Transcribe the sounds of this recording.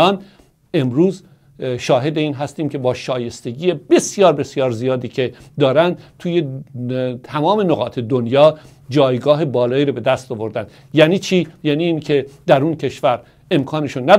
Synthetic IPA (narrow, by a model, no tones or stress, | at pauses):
ɒːn | e̞mɾuːz | ʃɒːɦe̞d̪eiːnɦæst̪iːmcʰe̞bɒːʃɒːje̞st̪e̞ɡiːjebe̞sjɒːɾbe̞sjɒːɾzijɒːd̪iːcʰed̪ɒːɾænd̪t̪ʰuːje | t̪ʰæmɒːme̞noɣɒːt̪ʰe̞d̪onjɒː | d͡ʒɒːjɡɒːɦebɒːlɒːiːɾɔbe̞d̪æst̪ɒvoɾd̪ænd̪ | jæːniːt͡ʃʰiːjæːniːnkʰe̞d̪æɾuncʰe̞ʃvæɾ | e̞mkʰɒːneʃunːæ